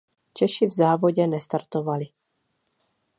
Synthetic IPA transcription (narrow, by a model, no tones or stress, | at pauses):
t͡ʃɛʃɪvzaːvoɟɛnɛst̪aɾt̪ovalɪ